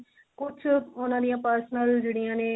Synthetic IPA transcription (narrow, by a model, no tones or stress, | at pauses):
kʊt͡ʃʰʊnãːd̪ijãːpəɾsnəld͡ʒeːɽɪjãːneː